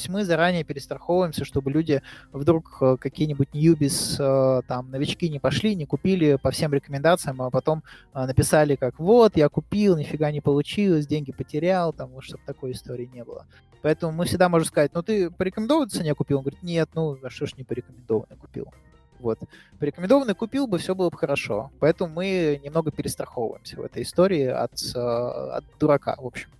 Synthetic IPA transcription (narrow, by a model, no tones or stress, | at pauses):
osʲmɨzɐɾanʲɪjəpʲɪɾʲɪst̪ɾɐxovəjɪmsʲəʂt̪o̞bɨlʲudʲɪvd̪ɾukəkɐkʲijənʲɪbʊt̚ʲnʲɪjubʲɪsət̪amnəvʲɪt͡ɕkʲinʲɪpɐʂlʲinʲɪkʊpʲilʲɪpɐfsʲe̞mɾʲɪkəmʲɪnd̪at̪sɨjəmapɐt̪o̞mnəpʲɪsalʲɪkakvo̞t̪jakʊpʲilˠnʲɪfʲɪɡanʲɪpəlˠʊt͡ɕilˠəs̬ʲdʲenʲɡʲɪpətʲɪɾʲalˠt̪amvot̪ʂt̪o̞b̚t̪ɐko̞jɪst̪o̞ɾʲɪːnʲe̞bɨ̰lˠə̰ | pɐɛt̪əmʊmɨfsʲɪɡ̚d̪amo̞ʐɨmskɐzatʲnut̪ɨpəɾʲɪkəmʲɪnd̪o̞vət̪sənʲekʊpʲilˠonɡvəɾʲit̪nʲe̞t̪nuʂt̪oʂnʲɪpəɾʲɪkəmʲɪnd̪o̞və̰nɨkʊ̥pʲḭlˠ | vo̞t̪pəɾʲɪkəmʲɪnd̪o̞vənɨkʊpʲilˠbɨfsʲobɨlˠəbxəɾɐʂo̞̰pɐɛt̪əmʊmɨnʲɪmno̞ɡəpʲɪɾʲɪst̪ɾɐxoʊvə̰jɪmsʲəvɛ̰t̪əjɪst̪o̞ɾʲɪːɐ̰t̪əɐ̰t̪̚d̪ʊɾɐka̰vo̞pɕɪm